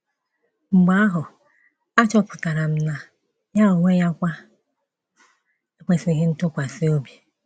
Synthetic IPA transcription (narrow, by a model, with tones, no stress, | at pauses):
ŋ͡m̩˨ɡ͡ba˦a˦ɦʊ˨ | a˦t͡ʃɔ˦pʊ̥˨ka˨ɾa˨m̩˦na˨ | ja˦o˨ŋʷe˦ja˦kʷa˦ | e˦k͡pe˨si˦ɦɪ˦n̩˦tʊ˦kʷa˨sɪ˦o˦bji˨